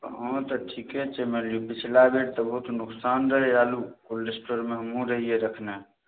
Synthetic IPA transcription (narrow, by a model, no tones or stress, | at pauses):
ɦɔ̃t̪ɔʈʰiket͡ʃemeljupit͡ʃʰlabʱeɾt̪əbʱɔut̪nuksanɾəɦealukulɾesʈoɾmeɦəmũɾəɦijeɾəkʰne